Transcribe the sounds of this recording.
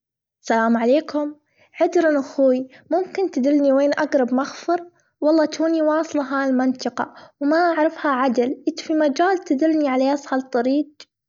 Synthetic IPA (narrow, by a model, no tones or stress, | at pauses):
salaːmʕaleːkʰʊm | ʕɪd̪ɾɪnʔaxuːjmʊmkɪnt̪ɪd̪ɪlniweːnʔaɡɾˤɑbmaxfɨɾˤ | wɑlˤːɑːt̪uːniwɑːsˤlɑɦaːɪlmɪnt̪ɑqɑ̰wmaʔaʕɾˤɑfhaʕad̪alʔɪt̪fimad͡ʒaːlt̪ɪd̪ɪlːniʕalaʔɑsˤhɑlt̪ˤːɑɾiːd̪